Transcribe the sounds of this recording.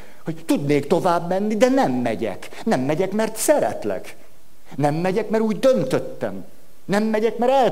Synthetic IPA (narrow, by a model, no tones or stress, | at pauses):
ho̞ɟt̪ud̪neːkt̪o̞vaːbmɛnːid̪ɛnɛmːɛɟɛ̰k | nɛmːɛɟɛkmɛrt̪sɛɾɛ̰t̪lɛ̰ɡ | nɛmːɛɟɛkmɛɾuːɟd̪ø̞nt̪øt̪ːɛm | nɛmːɛɟɛkmɛɾɛl